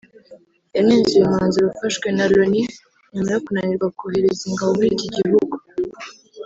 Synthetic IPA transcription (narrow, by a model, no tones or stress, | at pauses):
janeːnzujemaːnziɾufaʃwenaloni | ɲumaɾeokunaniɾɡwakuheɾeziŋɡaβomuɾiciɟiβuɡu̥